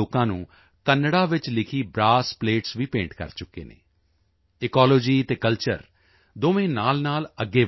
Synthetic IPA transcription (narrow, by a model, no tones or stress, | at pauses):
oːkãːnṵ̃ː | kənːɽaːʋɪt͡ʃlɪkʰiːbɾaːspleːʈsʋiːpẽːɳʈkə̰ɾt͡ʃʊkːḛːnḛː | ɪkɔːloːd͡ʒiːt̪eːkəlt͡ʃə̰ɾ | d̪oːʋẽːnaːlnaːləɡːeː